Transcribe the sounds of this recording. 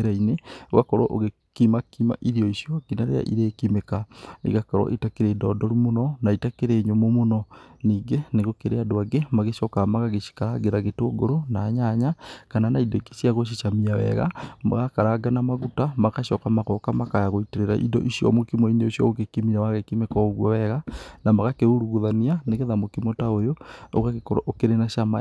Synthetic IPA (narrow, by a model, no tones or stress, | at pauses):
ɾainewa̰kɔɾoʔoɣe | kimakima̰ʔiɾiɔiʃiɔkinaɾea̰ʔiɾeːkimekaḭɣakaɾɔ̰ʔitakeɾeːdɔdɔɾumonɔnaitakeɾeɲomomonɔniːɡeneɣokeɾeadoaɡemaɣeʃɔkamaɣaɣeʃi̥kaɾaɡeɾaɣetoːɡo̰ɾonaːɲaɲakananaindɔikeʃiaɣoʃ̬iʃamiawɛ̰ɣa̰ma̰ɣakaɾaɡanamaɣutamakaʃɔkamaɣɔkamakajaɣoiteɾeɾa̰ʔḭdɔ̰ʔiʃjɔ̰mokimɔineoʃjɔ̰ɣokekimiɾawaɣekimekɔɣwɔwɛɣanamaɣakeuɾuɣuðanianeɣeðamokimɔtaojoo̰ɣaɣekoɾʔokeɾenaʃama